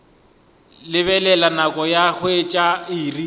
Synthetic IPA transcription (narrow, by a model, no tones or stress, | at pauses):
lɪβɛlɛlanakʼɔjaɣʊet͡ʃʼaiːri